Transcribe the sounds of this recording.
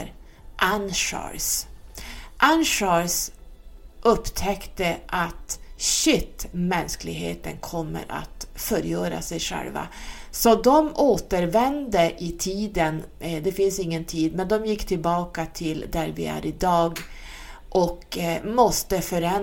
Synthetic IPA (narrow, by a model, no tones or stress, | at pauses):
ʔanʂɑ̰s | ʔanʂɑɾs | ʔɵpːt̪ʰɛkt̪əʔat̪ɕɪt̪ːmɛnsklɪɡɦḛːt̪ə̰nkʰɔmːə̰ɾa̰t̪fœɾjœːɾa̰sɛjʂɛ̰lva̰sɔd̪ɔmoːt̪əɾvɛnd̪əʔɪt̪ʰiːd̪ənd̪ɛfɪnsɪŋːənt̪ʰiːd̪mɛnd̪ɔmjɪkːt̪ʰɪlbɑːkat̪ʰɪld̪æɾvɪ̰æ̰ɾɪd̪ɑːɡ | ʔɔkmɔst̪əfœɾɛn